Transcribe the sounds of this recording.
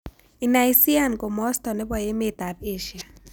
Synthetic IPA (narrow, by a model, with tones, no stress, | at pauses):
i˨na˨jsi˦a˦nɡo˨mɔ˦st̪ɔ˨ne˦bɔ˨je˦met̪a˨ɾe˦ʃia˨